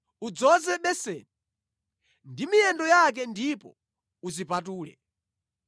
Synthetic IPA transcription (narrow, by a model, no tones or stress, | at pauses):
ud͡zɔzɛɓɛsɛ̰ːnɛ | ndimijɛndɔjak̬ɛndipɔ̰ | uzipatuːlɛ̰